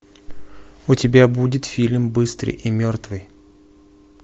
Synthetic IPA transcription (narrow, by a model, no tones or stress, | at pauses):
ʊtʲɪbʲabudʲɪt̪fʲilʲmbɨst̪ɾɨ̰jʔimʲort̪vɨj